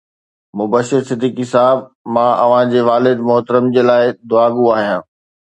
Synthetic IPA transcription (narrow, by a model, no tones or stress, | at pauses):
mʊbəʃɪɾsɪd̪ʱiːkisaːɦəb̚ | mãːʔɐ̰ʋ̤ãd͡ʑeːʋaːlɪd̪mʊɦt̪əɾəmd͡ʑeːlaːɪd̪ʊaːɡuaːɦijãː